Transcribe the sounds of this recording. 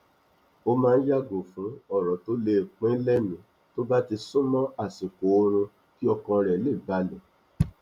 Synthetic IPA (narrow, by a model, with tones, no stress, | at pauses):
o˦mãː˦˧n̩˦ja˦ɡo˨fũ˨˦ɔ˦˨ɾɔ˨to˦le˧˦˨k͡pɛ̃˦lɛ˦mĩ˨˦ | to˦ba˦ti˧sũ˦mɔ̃˦a˦˨si˨ko˨o˦ɾ̃ũ˧ | ki˦ɔ˧kɔ̃˧ɾɛ˨˦le˦˨ba˨˦lɛ˨